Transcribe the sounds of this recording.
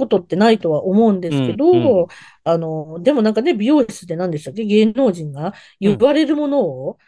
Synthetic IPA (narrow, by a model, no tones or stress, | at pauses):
ko̞t̪o̞t̪ːe̞nait̪o̞βaʔo̞mo̞ɯ̟̃nd̪e̞sɨ̥ke̞d̪o̞ | ano̞d̪e̞mo̞nãŋkane̞bʲijo̞ːɕi̥sɨd̪e̞nãnd̪e̞ɕt̪ak̬ːe̞ɡe̞ːno̞ːʑĩŋɡa | jɯɯβaɾe̞ɾɯ̟mo̞no̞ː